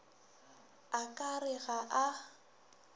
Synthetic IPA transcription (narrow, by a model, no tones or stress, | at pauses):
akʼarɪɣaʔa